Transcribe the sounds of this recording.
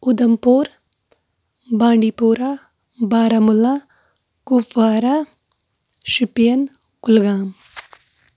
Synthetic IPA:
ud̪ɐmpoːɾ | bãːɳɖipoːɾa | baːɾamula | kupʋaːɾa | ʃipijɐn | kʊlɡaːm

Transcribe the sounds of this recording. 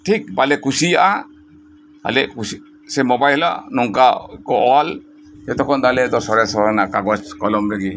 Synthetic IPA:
ʈʰik̚balɛkusijaʔa | a̰lɛʔkus | sɛmɔbajla̰ʔnɔŋkakɔʔɔwal | ɛt̪ɔkʰɔnd̪alɛt̪ɔsɔɾɛsɔɾanakaɡɔt͡ʃkɔlɔmɾaɡi

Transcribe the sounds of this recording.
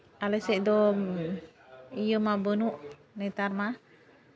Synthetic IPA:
aləseʔdo | ijəmabənuʔ | net̪arma

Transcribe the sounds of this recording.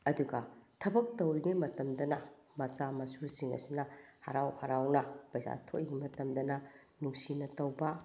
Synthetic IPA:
ɐduɡɐtʰɐbɐk̚tɐwɾiɡimɐtɐmdɐnɐmɐt͡ʃamɐsuɾsiŋɐ̰sinɐhɐ̰ɾawhɐɾawnɐpɐjsa̰tʰoʔjiɡimɐtɐmdɐnɐ | nuŋsinɐtɐwbɐ

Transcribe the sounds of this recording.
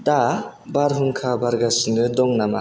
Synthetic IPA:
dabaɾɦɯŋkʰabaɾɡasɯnɯdɔŋnama̰

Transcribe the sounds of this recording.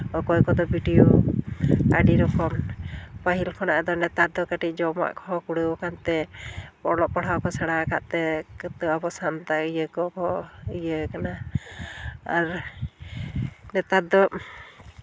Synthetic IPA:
ɔkɔjkɔd̪ɔbʱiɖijɔ | a̰ɖiɾɔkɔmpaɦilkʰɔnaʔɛd̪ɔnɛt̪ad̪ɔkaʈic̚d͡ʒɔma̰ʔkʰɔkuɽəwɔkant̪ɛpɔlɔʔ̚paɽ̤awkɔsaɽakaʔt̪ɛkt̪əabɔsant̪aijəkɔkɔijəkana | aɾ | nɛt̪ad̪ɔ

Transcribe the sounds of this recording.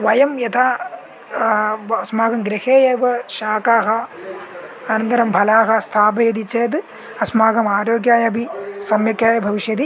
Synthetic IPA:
ʋɐjɐmjɐt̪ʰaː | ɐsmaːɡɐmɡɾɐheːjeːʋɐʃaːkaːɦɐ | ɐnɐnt̪ɐɾɐmbʱɐlaːɦɐst̪ʰaːbɐjɐd̪it͡ʃːeːd̪ɨ | ɐsmaːɡɐmaːɾoːɡjaːjɐbʱisɐmjɐkjaːjɐbʱɐʋiʃjɐd̪i

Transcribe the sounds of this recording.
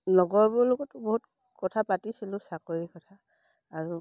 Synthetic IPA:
nɔɡɔɹbɔɹloɡɔtːʊboɦut | kɔtʰapatisilʊsakoɹikɔtʰaː | ɹu

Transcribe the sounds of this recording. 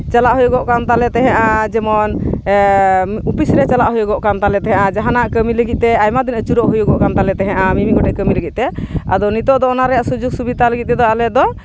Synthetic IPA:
t͡ʃalaʔɦujɔɡɔʔkamt̪alɛt̪ɛɦɛ̃ʔad͡ʒɛmɔn | upisɾɛt͡ʃalaʔɦujɔɡɔʔkamt̪alɛt̪ɛɦɛ̃ʔad͡ʒaɦanaʔkəmiləɡit̪̚t̪ɛajmad̪inət͡ʃuɾɔʔɦujɔɡɔʔkamt̪alɛt̪ɛɦɛ̃ʔamimiɡɔʈɛʔkəmiləɡit̪̚t̪ɛa̰d̪ɔnit̪ɔʔd̪ɔɔnaɾɛjaʔsud͡ʒuɡ̚subid̪aləɡit̪̚t̪ɛd̪ɔalɛd̪ɔ

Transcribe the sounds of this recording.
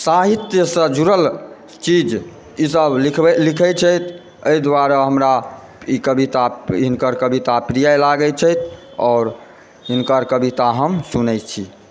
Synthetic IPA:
saɦit̪jəsəd͡ʒuɾəl | t͡ʃid͡ʒ | isəbkʰblikʰɛt͡ʃʰɛt̪ʰ | əid̪waɾəɦəmɾa | ikəbit̪aɦinkəɾkəbit̪apɾijajlaɡɛt͡ʃʰɛjt̪ʰɔːɾ | ɦinkəɾkəbit̪aɦəmsunɛt͡ʃʰi

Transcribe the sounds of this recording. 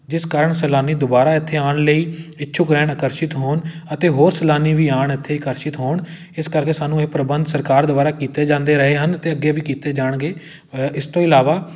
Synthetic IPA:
d͡ʒɪskaːɾəɳsəlaːniːd̪obaːɾaːɪt̪ʰːeːaːɳləiːɪtːʃʰʊkɾɛːɳəːkəɾʃɪt̪ɦoːɳət̪eːɦoːɾsəlaːniːʋiːaːɳɪt̪ʰːeːɪkəɾʃɪt̪ɦoːɳ | ɪskəɾkeːsaːnũːeːpɾəbənd̪səɾkaːɾd̪obaːɾaːkiːt̪eːd͡ʒãːnd̪eːɾəɦeːɦənt̪eːəɡːeːʋiːkiːt̪eːd͡ʒaːɳɡeː | ɪst̪õːɪlaːʋaː

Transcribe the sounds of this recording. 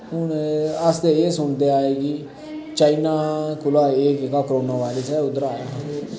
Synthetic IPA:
ɦʊnəst̪eːeːsʊɳd̪eːaːeːɡiː | t͡ʃaːinaːkʊlaːeːkekaːkɾoːnaːʋaːliːsɛːʊd̪əɾaːɾaɦãɡeː

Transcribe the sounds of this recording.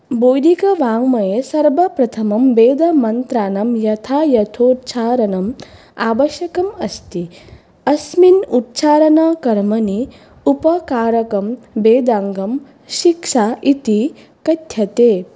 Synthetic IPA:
boːjd̪ʱikɐʋaːŋmɐjesɐɾbɐpɾɐt̪ʰɐmɐmbeːd̪ɐmɐnt̪ɾaːnɐmjɐt̪ʰaːjɐt̪ʰoːt̪t͡ʃʰaːɾɐnɐm | aːʋɐʃjɐkɐmɐst̪i | ɐsminut̪t͡ʃaːɾɐnɐkɐɾmɐni | upɐkaːɾɐkɐmbeːd̪aːŋɡɐm | ʃikʂaːʔit̪i | kɐt̪ʰjɐt̪eː

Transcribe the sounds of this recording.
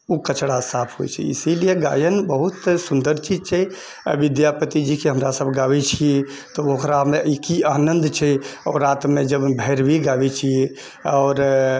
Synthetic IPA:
ukət͡ʃɽasapʰɦojt͡ʃʰɛ̰ḭsilijeɡa̰jənbəɦut̪sund̪əɾt͡ʃid͡ʒt͡ʃʰɛ | ə̰ʋid̪japət̪id͡ʒikeɦəmɾasəbɡabɛt͡ʃʰie | t̪ɔokɾameikianənd̪ʱt͡ʃʰɛɔːɾːat̪med͡ʒəbbʱɛɾbʱiɡabɛt͡ʃʰie | ɔːɾ

